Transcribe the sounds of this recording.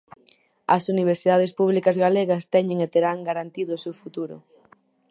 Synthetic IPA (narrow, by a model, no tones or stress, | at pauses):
ɐsuniβ̞eɾsiðað̞espuβ̞likɐzɣaleɣɐst̪ɛɲeŋet̪eɾaŋɡaɾant̪iðʊːsewfut̪uɾʊ̰